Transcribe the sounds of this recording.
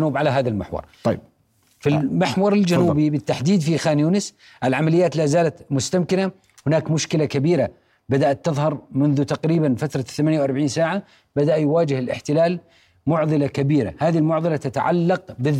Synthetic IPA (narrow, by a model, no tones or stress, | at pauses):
nuːbʕalaɦaːðalmɪ̰ħwɑ̰ɾˤ | filmɪħwɑɾˤɪld͡ʒanuːbibɪt̪ːaħd̪iːd̪fixaːnjuːnɪs | ʔɪlʕamalɪjːaːt̪laːzaːlat̪mʊst̪amkɪna | hɪnaːkmʊʃkɪlakabiːɾa | bad̪aʔat̪ːɨðˤhɑɾˤmʊnðʊt̪aqɾiːbanfat̪ɾˤɑθamanjawʔɑɾˤbʕiːnsaːʕa | bad̪aʔjwaːd͡ʒɪhɪlʔɪ̰ħt̪ɪlaːl | mʊʕðˤɨlakabiːɾa̰haːðilmʊʕðˤɨlat̪at̪a̰ʕa̰lːɑqbɪ